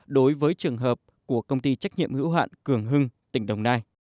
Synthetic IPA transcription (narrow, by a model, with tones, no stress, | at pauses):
ɗo˨˦jvəː˨˦jt͡ɕɨ˨˩əŋɦəː˨˩p̚ | ku˧˩əkə˧wŋ͡mt̪i˧t͡ɕa˦˥k̟̚ɲḭ˧˨əmhɨ̰˧˥wɦa̰ː˧˨nkɨ˧˩əŋɦɨ˧ŋt̪ï˧˩ŋ̟ɗə˨˩wŋ͡mnaː˧j